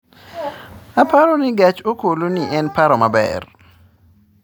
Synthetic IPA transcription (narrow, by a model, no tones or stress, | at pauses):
apaɾɔnɪɡat͡ʃokoloniʔɛnpaɾɔmabɛ̰r